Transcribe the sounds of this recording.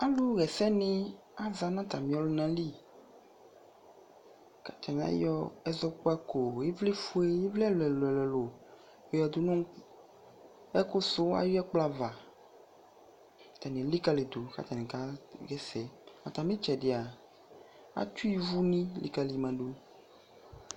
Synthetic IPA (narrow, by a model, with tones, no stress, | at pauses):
a˦lu˦ɣɛ˨sɛ˦nɪ̃˦ | a˦za˨nã˦t̪a˨mĩ˨˦ɔ˦lo˦nã˦li˦ | ka˨t͡ʃa˨ŋ˨˦ã̰˦jɔ˦ɛ˦zɔ˦k͡pɔ˦ɛ˦ko˨je˦vle˦fu˦e˦je˦vli˦a˦lo˨ɛ˨lo˨ɛ˨lɛ˨lo˨ | e˨ja˨d̪u˨nõ˦ | ɛ˦ko˦so˦a̰˨ju˦ɛ˦k͡pla˦va˨ | t̪a˨nẽ˨li˦ka˦le˨d̪o˨ka̰˦t͡ʃa˨nẽ˨ka˦ɡɛ˦sɛ˨a˨t̪a˨mĩ˦t͡ʃɛ˨ɖi˨a˨ | a̰˦t͡ʃu˦i˦vu˦nĩ˦lʔḭ˨ka˨li˨mã˨ɖo˦